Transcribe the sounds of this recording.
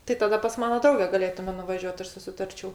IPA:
tɐɪ tɐˈdɐ pɐs ˈmɑːnɐ ˈdrɐʊɡʲɛ ɡɐˈlʲeːtʊmʲɛ nʊʋɐˈʒʲuɔt ˈɐʃ sʊsʲɪˈtɐrʲt͡ʃʲɛʊ

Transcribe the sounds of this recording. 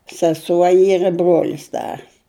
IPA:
sɐˈsuɔ ˈiːr ɪ ˈbruɔlʲɪs ˈdɐr

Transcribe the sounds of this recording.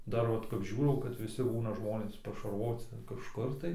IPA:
ˈdɐr ʋɐt kɐp ˈʒʲuːrɐʊ kɐt ʋʲɪˈsʲɪ ˈbuːnɐ ˈʒmoːnʲeːs pɐʃɐrʋoːt͡sʲɪ kɐʃˈkʊr tɐɪ

